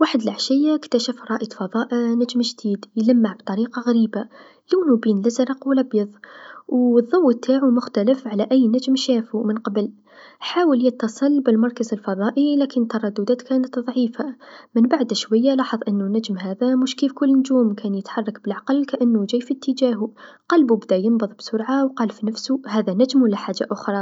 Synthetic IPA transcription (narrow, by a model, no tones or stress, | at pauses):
waːħəd̪laʕʃɪjːakt̪aʃafɾˤɑːʔjd̪fɑðˤɑːʔinad͡ʒmʒd̪iːd̪jlamːaʕbt̪ˤɑɾiːqɑɣaɾiːba | luːnubiːnlazɾˤɑqwɪlʔɑbjɑðˤwðˤːɑwːt̪ʰːaːʕumʊxt̪aləfʕalaʔæjːnad͡ʒmʃaːfumənqɑbl | ħaːwəljət̪ːɑsˤɨlbɪlmɑɾˤkazɪlfɑðˤɑːʔilæːkɪnt̪ːɑɾˤɑd̪ːud̪aːt̪kæːnət̪ðˤʕiːfamɪnbaʕd̪aʃwajːalɑːħɑðˤʔɪnːunæd͡ʒmɦaːðamʊʃkiːfkʊlːnʊd͡ʒuːmkæːnjɪt̪ħɑrˤːɑkbɪlʕɑqɑlːkaʔanːud͡ʒæːjfit̪ːəd͡ʒaːɦu | qɑlbubd̪æjɪmbɑðˤbsʊɾʕawqɑːlfinafsuhæːðænad͡ʒmwlːaħaːʒːaʔʊxɾˤɑ